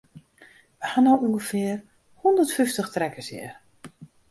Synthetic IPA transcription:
ʋəhanowuŋɡəfɪər | hundərtfyftəxtrɛkəsjɪ̰r

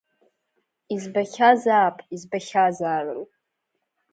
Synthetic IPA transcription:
izbaχʲazaːpʼizbaχʲazaːrrʼ

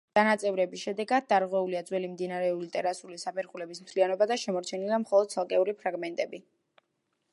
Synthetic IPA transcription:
d̪̥anat̪sʼɛvɾɛbisʃɛd̪ɛɡad̪̚d̪aɾʁwɛuliad̪zwɛlimd̪inaɾɛulit̪ʼɛɾasʼulisapʰɛɾχulɛbismt̪ʰlianɔbad̪aʃɛmɔɾt͡ʃʰɛnilamχɔlˠɔd̪̚sʰalˠkʼɛuɾipʰɾaɡmɛnt̪ʼɛbi

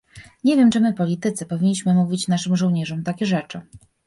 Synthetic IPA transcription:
ɲevʲjɛmt͡ʂɘmɘpɔlʲit̪ɘt̪sɘpɔvʲiɲːiɕmɘmuvʲit͡ɕnaʂɘmʐɔwɲɛʐɔmt̪akʲɛʐɛt͡ʂɘ

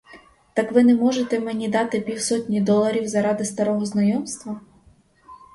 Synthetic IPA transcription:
t̪ɑkʋɪnɛmɔʒet̪ɛmenʲid̪ɑt̪ɪpʲiwsɔtʲnʲid̪ɔlˠɐɾʲiwzɐɾɑd̪ɪst̪ɐɾɔɦɔznɐjɔmst̪ʋɐ

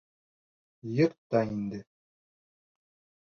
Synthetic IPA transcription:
jɤɾtt̪ːɑind̪ɘ

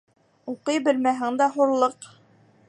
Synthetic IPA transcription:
uqɤjbɘ̆lmæɦɘŋd̪æɦuɾlˠɤq

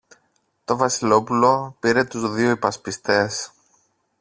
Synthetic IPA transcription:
t̪o̞vɐsilo̞pulo̞piɾe̞t̪uzðioipɐspist̪e̞s

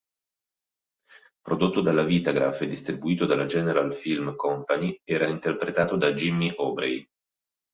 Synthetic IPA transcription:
pɾod̪ot̪ːod̪alːaviːt̪aɡɾa̰fed̪ist̪ɾibuiːt̪od̪alad͡ʒɛːneɾalfilmkɔmpaniɛːɾaint̪erpɾet̪aːt̪od̪ad͡ʒimːiʔɔːbɾḛj

